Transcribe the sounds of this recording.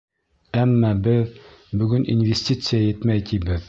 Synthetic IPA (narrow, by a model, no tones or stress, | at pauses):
æmːæbɘð | bɵ̆ɡɵnḭnvʲesʲtʲit̪sɨjajɘ̆t̪mæjt̪ibɘð